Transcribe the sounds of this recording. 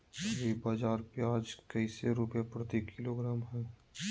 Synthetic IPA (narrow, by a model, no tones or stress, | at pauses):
jeːbaːd͡ʒaːɾpjaːd͡ʒkəiseɾʊpjapɾət̪ikʰːɪloːɡɾaːmɦɛː